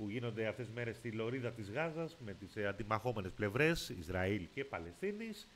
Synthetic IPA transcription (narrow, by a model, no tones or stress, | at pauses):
puʝino̞nd̪e̞ɐft̪e̞zme̞ɾe̞st̪ilo̞ɾiðɐt̪izɣɐzɐzme̞t̪isɐnd̪imɐxo̞me̞ne̞sple̞vɾe̞sizɾɐilce̞pɐle̞st̪inis